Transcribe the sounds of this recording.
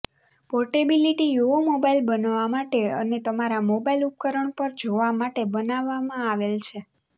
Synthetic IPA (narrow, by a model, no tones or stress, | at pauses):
pɔʈebiliʈijuomobailbənʋamaʈeə̰net̪əmaɾamobailup̚kəɾəɳpəɾd͡ʒoʋamaʈebənaʋːamãaʋelt͡ʃʰe